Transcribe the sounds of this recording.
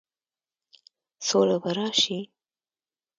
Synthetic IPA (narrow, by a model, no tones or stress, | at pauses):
solabaɾɑʃi